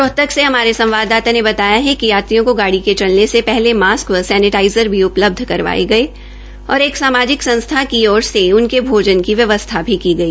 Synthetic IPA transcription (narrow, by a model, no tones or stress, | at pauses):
ɾɔɦt̪əkseɦɐmaːɾesɐ̃mʋaːd̪ːaːt̪anebɐt̪aːjaɦɛkijaːt̪ijõkoɡaːɽiket͡ʃɐlnesepɛɦlemaːskʋəsɛːnɪʈaːɪzəɾbʱiʊpləb̚d̪ʱkɐɾʋa̰ːḛɡɐe | ɔ̰ːɾeːksaːmaːd͡ʒɪksɐ̃nst̪ʰakiɔːɾseʊnkebʱoːd͡ʒənkiʋjɐʋəst̪ʰabʱikiɡɐiː